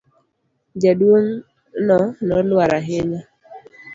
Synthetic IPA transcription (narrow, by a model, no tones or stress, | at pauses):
d͡ʒadwoŋ | nɔnɔlwaɾaɦeɲa